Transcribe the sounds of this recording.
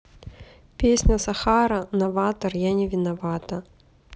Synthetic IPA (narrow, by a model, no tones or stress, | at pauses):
pʲesʲnʲəsɐxaɾɐnɐvat̪ɐrjanʲɪvʲɪnɐvat̪ɐ